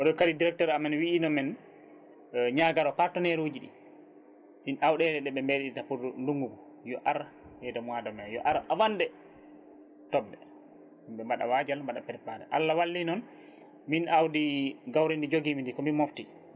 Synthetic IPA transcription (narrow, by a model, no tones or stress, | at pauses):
ʔɔɗɔkaɾidiɾɛk̚tɔɾamɛnwiːnɔmɛn | ɲaːɡaɾɔpaɾtɔnɛɾod͡ʒiɗḭ | minawɗɛdɛɗɛɓɛmbeɗitapuunduŋɡuɡɔ | jɔʔaɾhɛdɔmadɔmɛjɔ̰ʔaɾawandɛ | tɔbːɛ | mɓɛmaɗa̰wad͡ʒalmaɗapɛɾpaɾɛ̰ʔa̰lːawalːinɔn | minawdiɡawɾindid͡ʒoɡimindikɔmimofti